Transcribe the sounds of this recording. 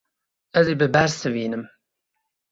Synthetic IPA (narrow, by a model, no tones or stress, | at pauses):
ɛzeːbɨbæɾsɨviːnɨm